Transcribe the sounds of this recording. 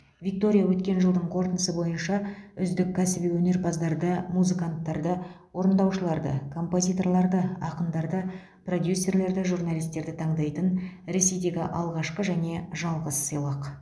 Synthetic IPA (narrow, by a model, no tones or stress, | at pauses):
vʲik̚t̪o̞ɾʲijawɵt̪kʲe̞nʒəlˠd̪əɴqʰo̞ɾt̪ənəsəbo̞jənʃɑʏzd̪ɪkʲʰːæsɪbijwɵne̞ɾpʰɑzd̪ɑɾd̪əmuzikant̪ːɑɾd̪ə | wo̞ɾənd̪ɑwʃəlˠɑɾd̪ə̰kʰo̞mpo̞zʲijt̪o̞rlˠɑɾd̪əɑqəmd̪ɑɾd̪ə | pro̞d̪jusːe̞rle̞ɾd̪ɪʒurnalʲijst̪e̞ɾd̪ɪt̪ʰɑɴd̪ɑjt̪ənɾe̞se̞jd̪e̞ɡʲɪʔɑlˠʁɑʃqəʒæne̞ʒɑlˠʁəsːijlˠɑq